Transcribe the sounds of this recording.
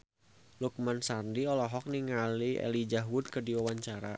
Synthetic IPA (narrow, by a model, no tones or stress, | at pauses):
luk̚mansandiɔlɔɦɔk̚niŋaliɛ̰lid͡ʒaɦwʊd̪̚kərdiwawaɲt͡ʃaɾa